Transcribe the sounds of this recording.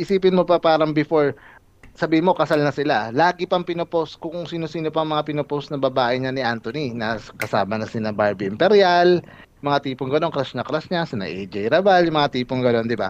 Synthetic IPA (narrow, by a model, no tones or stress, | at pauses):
ʔɪsiːpɪnmo̞pɐpaːɾɐŋbɪfoɹ | sɐbiːhɪnmo̞kɐsalnɐsɪlalaːɡɪpɐŋpɪnoposkʊŋŋsiːnosiːnopɐŋmɐŋapɪnoposnɐbɐbaːʔɪɲanɪʔant̪oninɐskɐsaːmɐnɐsɪnɐbaɹbiɪmpɛɾjal | jmɐŋat̪iːpoŋɡɐno̞nkɾasnɐkɾasɲasɐnɐ̰ʔejd͡ʒɛjɾɐbaljʊŋmɐŋat̪iːpoŋɡɐno̞nd̪ɪba̰